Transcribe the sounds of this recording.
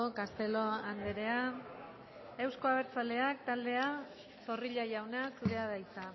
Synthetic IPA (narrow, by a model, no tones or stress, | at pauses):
okast̪e̞lo̞and̪eɾe̞a | e̞wsko̞aβ̞e̞ɾt͡sald̪e̞ak̚t̪ald̪e̞a | so̞riʎajawnasuɾe̞að̞ajt͡sa